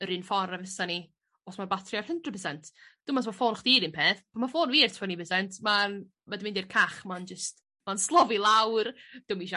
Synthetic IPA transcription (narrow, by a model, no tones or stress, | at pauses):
əɾɨnfɔɾɛvəsani | ɔsmabatʰrjar̥həndrəpʰəsɛntʰd̥ʊmas̬mafoːnχd̥iːɾɪnpʰeːθpʰamafoːnviːrtʰvɔnibəsɛntʰma | madɪmɪndirkʰaχmand͡ʒəst | manslˠɔvilˠawrd̥ʊmiʃa